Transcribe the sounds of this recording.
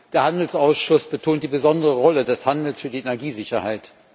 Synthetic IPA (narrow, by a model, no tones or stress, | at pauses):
d̥eːɐhandl̩sʔaʊsʃʊsb̥ətʰoːnt̚d̥iːbəzɔndəʁəʁɔlədɛshandl̩sfyːɐdienɛɐɡiːzɪçɐha̰ɪt